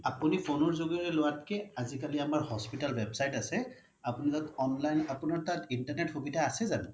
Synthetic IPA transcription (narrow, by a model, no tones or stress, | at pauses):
apunipʰonɔɹzoɡijɔɹɛlʊwat̚kɛazikaliamaɹhɔspitalwebsajtasɛ | apunizatɔnlajnapunaɹtatintaɹnɛtxobitaasɛzanɛ